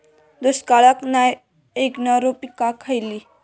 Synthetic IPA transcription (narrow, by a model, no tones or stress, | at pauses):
d̪uskalakna | eknaɾopikakʰəjli